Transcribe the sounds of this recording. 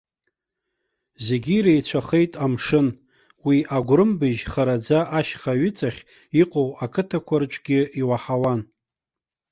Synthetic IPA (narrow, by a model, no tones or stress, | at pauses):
ze̞ɡʲiɾejt͡ɕʷʰaχe̞jtʼamʂɨn | wiʔaɡʷɾɨmbɨʒχaɾad͡zaʔaʃχaɥʏt͡sʼaχʲ | iqʼowakʰɨtʰakʷʰart͡ʃʷʼɡʲɪiwaħawan